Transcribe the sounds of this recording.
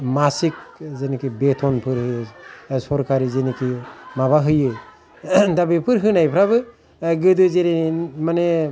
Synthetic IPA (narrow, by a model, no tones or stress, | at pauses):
masik̚zenikibetʰɔnpʰɯɾhɯjɯsɔɾkʰaɾizenikʰimaβaɦɯjɯ | dabipʰɯɾɦɯnajpʰɾabɯ | ɡɯdɯzenimane